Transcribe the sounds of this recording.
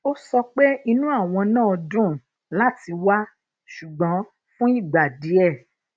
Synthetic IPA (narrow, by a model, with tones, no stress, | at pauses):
o˦sɔ˧k͡pe˦i˧nũ˦a˦˨w̃ɔ̃˧nãː˦˨ɔ˧dũ˦ | la˦ti˧wa˦ | ʃu˨ɡ͡bã˨˦ | fũ˦i˦˨ɡ͡ba˨di˨˦ɛ˦˨